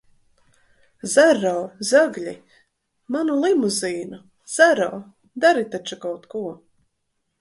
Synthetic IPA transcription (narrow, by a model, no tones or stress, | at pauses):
zaɾɔːzaɡlʲi | manulˠimuziːnu | z̥aɾɔː | d̪aɾit̪at͡ʃukawt̪kuɔ